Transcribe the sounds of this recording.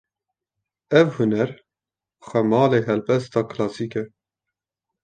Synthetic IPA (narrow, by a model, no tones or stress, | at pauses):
ɛvhunɛɾ | xʷɛmɑːleːɦɛlbɛst̪ɑːkʰlɑːsiːkɛ